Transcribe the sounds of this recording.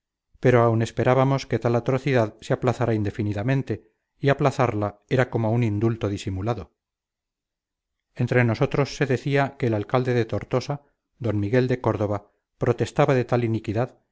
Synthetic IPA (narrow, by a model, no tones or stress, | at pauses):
pe̞ɾoawne̞spe̞ɾaβamo̞ske̞t̪alat̪ɾo̞θiðaðseaplaθaɾaind̪e̞finiðamẽ̞nt̪e̞ | iaplaθaɾlae̞ɾako̞mounind̪ult̪o̞ðisimulaðo | ent̪ɾe̞no̞so̞t̪ɾo̞sːe̞ðe̞θiake̞ːlalkald̪e̞ðet̪o̞ɾt̪o̞sa | d̪o̞nmiɣe̞ld̪e̞ko̞ɾðo̞βa | pɾot̪e̞st̪aβaðe̞t̪alinikiðað